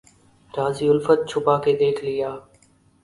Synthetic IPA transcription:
ɾaːziːʊlfət̪̚t͡ʃʰʊpaːkʰeːd̪eːʈʰliːaː

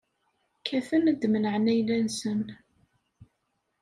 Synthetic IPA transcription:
kʰæfənd̪mənəʕnæjlænsən

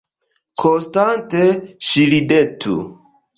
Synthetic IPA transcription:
kʰonstanteʃilidetʰṵ

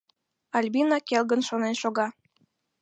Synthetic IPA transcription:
ɑlʲbinɑkelɣənʃonenʃoɣɑ

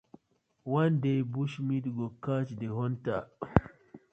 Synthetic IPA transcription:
wandejbuʃmitɡɔkat͡ʃdɛɦɔnta

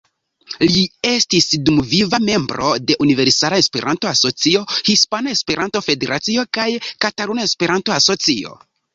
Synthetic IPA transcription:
lie̞stisdumvivame̞mbɾo̞de̞ʔunive̞ɾsalae̞spe̞ɾʔanto̞aso̞t͡sio̞hispanae̞spe̞ɾʔanto̞fe̞de̞ɾʔat͡sio̞kajkataɾunae̞spe̞ɾanto̞aso̞t͡sio̞̰

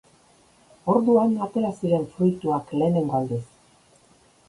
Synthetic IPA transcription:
o̞ɾðuanat̪e̞ɾasiɾe̞nfɾujt̪uakle̞ːne̞ŋɡo̞ald̪es

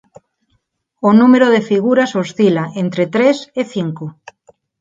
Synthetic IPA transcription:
onumeɾoðefiɣ̞uɾasost̪ilaʔent̪ɾet̪ɾeseθiŋko

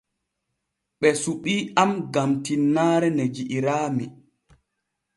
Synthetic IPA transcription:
ɓɛsuɓiːamɡamtinːaːɾɛned͡ʒiʔiɾaːmi

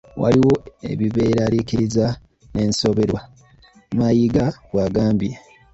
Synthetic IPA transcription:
wa̰liwo̞e̞̰βiβe̞ːɾalikiɾiza | ne̞ːnso̞βe̞ɾwa | majiɡaβwaːɡaːmbje

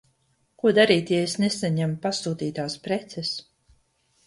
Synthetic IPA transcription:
kuɔd̪aɾiːt̪jɛesnesaɲampasuːt̪iːt̪aːspɾɛt̪sɛs

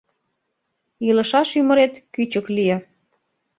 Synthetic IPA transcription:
ilə̆ʃɑʃymə̆ɾet̪kyt͡ɕəklijĕ

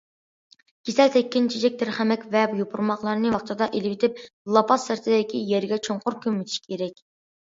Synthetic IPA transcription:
ɡʲesɛlt̪ʰɛkʲːint͡ʃʰid͡ʒɛk̚ʲt̪ɪɾχæmɛkʲvɛbjopʰuɾmɑχlˠɑɾɨnɨwɑχt͡ʃʰɑd̪ɑʔelɪwɪt̪ʰɪp̚lˠɑpʰɑsːɪɾt̪ʰɪd̪ɪkʲijɛɾɡʲɛt͡ʃʰoɴqʊɾkʲʰømːyt̪ʰɪ̥ʃi̥kʲʰeɾɛkʲ

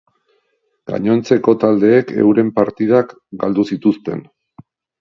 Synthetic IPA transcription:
ɡa̰ɲo̞nt͡se̞ko̞t̪ald̪e̞ːkʰe̞̰wɾe̞mpaɾt̪ið̞ak | ɡald̪usit̪ust̪e̞̰n

